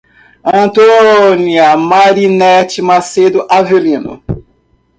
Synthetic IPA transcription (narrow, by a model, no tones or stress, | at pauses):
ɐ̃nt̪oniɐmaɾinɛt͡ʃimased̪ʊʔavelĩnʊ̰